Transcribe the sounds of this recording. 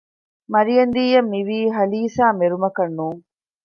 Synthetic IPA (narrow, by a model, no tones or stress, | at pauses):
mɐɾijɐnd̪iːjɐmːiʋiːɦɐliːsaːmeɾumɐkɐnːuːŋ